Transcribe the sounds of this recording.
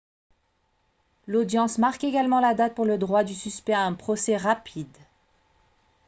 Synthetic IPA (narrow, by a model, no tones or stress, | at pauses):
lod̪jɑ̃smaʁkeɡalmɑ̃lad̪at̪̚puʁləd̪ʁwad̪ysyspɛaɛ̃pχɔsɛʁapʰid̪